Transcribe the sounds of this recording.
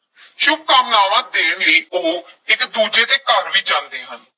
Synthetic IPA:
ʃʊbkaːmnaːʋãːd̪eːiːoːɪkd̪uːd͡ʒeːt̪eːkəɾʋiːt͡ʃãːnd̪eːɦən

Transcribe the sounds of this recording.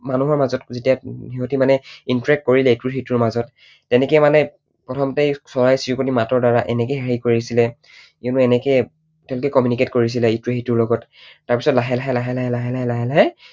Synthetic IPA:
manuɦɔɹmazɔtzetijaiɦotimanɛintɹɛk̚t̚koɹilɛtuɹɦituɹmazɔtː | ɛnɛkijɛmanɛ | pɔtʰɔmtejsɔɹajsiukotimatɔɹdaɹaʔɛnɛkejɦɛɹikoɹiisilɛ | iʊnuɛnɛkɛ | tɛʊlokɛkɔmjuniket̚koɹis̬ilɛituɹɦituɹlɔɡɔtːaɹpi̥sɔtlaɦɛlaɦɛlaɦɛlaɦɛlaɦɛlaɦɛlaɦɛlaɦɛ

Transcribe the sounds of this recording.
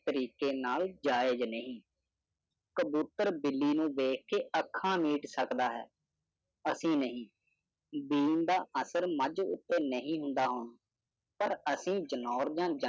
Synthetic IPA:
t̪əɾiːkeːnaːld͡ʒaːɪd͡ʒnəɦĩː | kəbjuːt̪əɾbɪlːiːnũːʋeːk̚ʰkeːʔəkʰːãːmiːʈsəkd̪aːɦɛ̰ː | əsĩːnəɦĩː | biːnd̪aːʔəsəɾməd͡ʒʊ̰t̪ːeːnəɦĩːɦʊnd̪aːɦʊn | pəɾəsĩːd͡ʒənɔːɾd͡ʒãːd͡ʒə

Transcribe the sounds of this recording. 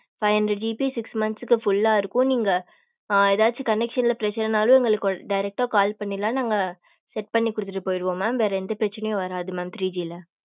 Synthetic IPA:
fɐɪʋɐndɾɐd͡ʒiːpisɪksmɐnsɯkːɯfʊlːaːɪɾɯkːʊ̃niːŋɡɐ | ɛðaːt͡ʃːɯkɐnɛkʂɐnɪlɐpɪɾɐt͡ʃːɐɾɐnaːlũɛŋɡɐɭɯkːɖɐɪɾɛk̚ʈaːkaːlpɐɳːɪlːãːnaːŋɡɐ | sɛʈ̚pɐɳːikːʊɽɯt̪ːɪʈːɯpoːjɪɾɯʋõːmãːmʋeːɾɐɪnd̪ɐpɪɾɐt͡ʃːɐnɐjõʋɐɾaːðɯmaːmt̪ɾiːd͡ʒiːlɐ

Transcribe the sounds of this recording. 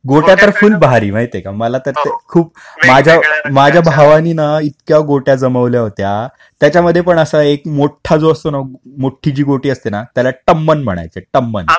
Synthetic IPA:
ɡoʈjat̪əɾfuːlbaɾḭːmaɦit̪ekaməlat̪əɾt̪ekʰuːp̚ | mad͡ʑʱjamad͡ʑʱjabʱaʋaniːnait̪kjaɡoʈjad͡zəməʋljaɦot̪ja | t̪jat͡ɕaməd̪ʱːjepəɳəsaekmoʈʰːad͡zoəst̪onamoʈʰːit͡ɕiːɡoʈiːəst̪enat̪jalaʈəmːənm̤ə̰ɽ̃a̰jt͡seʈəmːə̰n

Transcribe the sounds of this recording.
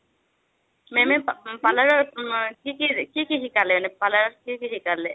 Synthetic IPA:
memɛpalaɹɔkikikikiɦikalɛnɛpalaɹɔkikiɦikalɛ

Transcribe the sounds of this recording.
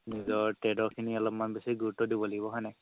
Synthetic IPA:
nizɔɹtedɔɹkʰiniɔlɔpmanbesiɡuɹutːɔdibɔleɡibɔɦɔjnɛ

